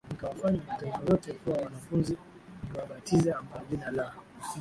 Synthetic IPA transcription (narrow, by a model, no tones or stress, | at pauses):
nikawafaɲamatɛɡɔjɔtɛkuwawanafunzi | uwaɓatizɛambaɔʄinala